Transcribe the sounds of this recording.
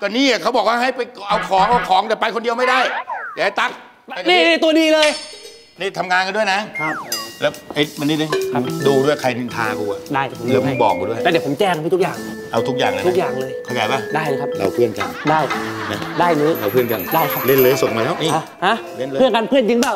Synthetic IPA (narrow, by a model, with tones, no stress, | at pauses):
kɔː˧˩niː˧˩a˨˩kʰa˦˥wbɔː˨˩k̚waː˥˩ɦa˥˩jpa˧jʔa˧wkʰɔː˨˦ŋʔa˧wkʰɔː˨˦ŋt̪ɛː˨˩pa˧jkʰo˧ndi˧əwma˥˩jda˥˩ja˨˩a˦˥˩t̪a˦˥k̚ | niː˥˩ni˧˥˩t̪u˧ɐdiː˧lɤː˧j | niː˧˩t̪ʰa˧mŋaː˧nka˧ndu˥˩əjna˦˥kʰa˦˥p̚lɛ˦˥wʔa˧˩jma˧nːiː˦˥˩laː˧˩kʰa˧˩duː˧du˥˩jkʰa˧jni˧nt̪ʰaː˧ku˧˩a˧˩daː˥˩jɛ˨˩pʰo˨˦lːma˧˦bɔ̰ː˨˩k̚a˧du˥˩˨jlɛː˧˩di˨˩pʰo˩˦mt͡ɕɛː˧˩ŋka˧˩t̪ʰu˥k̚jaː˨˩ŋʔa˧wt̪ʰu˦˥k̚ja̰ː˨˩ŋlaː˧˦u˦˥k̚jaː˨˩ŋlɤː˧jkʰa˧jaː˨˩˦jbaː˧˩daː˥˩jləː˧˦kʰa˦˥p̚la̰˨˦˩wpʰɯ˥˩ənka̰˧ndaː˥˩jna˦˥daː˥˩jnuː˧˦˥la̰˨˧˩pʰɯ˥˩ənka˧ndaː˥˩jkʰa˦˥p̚le˥˩nlɤː˧so˨˩ŋmaː˧lɛː˦˥wʔi˧˨˩a˦˥ha˦˥le˧˩˨nʰɯ˥˩ənka˧npʰɯ˥˩ənt͡ɕi˧ŋbaː˥˩